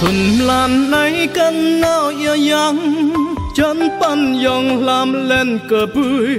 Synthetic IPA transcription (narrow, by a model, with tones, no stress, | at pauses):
t̪ʰʊ˨˩nmla˧nnə˧˦jka˧nːa˧wʔi˧əja˧˦ŋ | t͡ɕə˧˦np̪a˧˨njɔ˧ŋllaː˧mlɛ˧nkə˧˩bu˧j